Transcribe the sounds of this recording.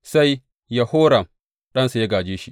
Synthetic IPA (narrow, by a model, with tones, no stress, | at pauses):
sa˦j | ja˦hoː˦ɽɐ˨m | ɗɐ˦nsa˨ja˦ɡaː˨d͡ʒeː˦ʃi˦ʔ